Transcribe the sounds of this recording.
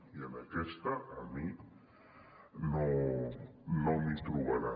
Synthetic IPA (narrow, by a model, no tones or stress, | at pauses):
ianakest̪aʔami | no | nomit̪ɾuβaɾa